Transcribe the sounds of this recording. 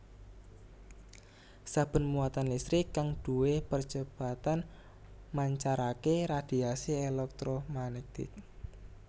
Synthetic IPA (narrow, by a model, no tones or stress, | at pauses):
sab̥ə̤nmuat̪anlist̪ɾikaŋd̥uwepər̥d͡ʒ̥əb̥a̤t̪an | maɲt͡ʃaɾakeɾad̪̥i̤asielɛk̚t̪ɾomanet̪ɪ̰k̚